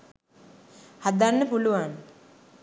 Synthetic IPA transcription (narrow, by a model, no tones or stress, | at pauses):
had̪anːəpuluʋan